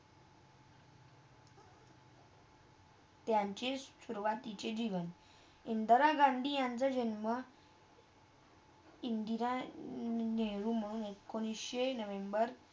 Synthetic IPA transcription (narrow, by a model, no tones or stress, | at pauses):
t̪jaɲt͡ɕeɕuɾʋat̪it͡ɕed͡ʑiʋən | ind̪əɾaɡaɳɖ̪ʱijãnt͡sad͡ʑənmə | ind̪iɾa | neɾum̤əɽuːnekːoɽ̃isɕenəʋembəɾ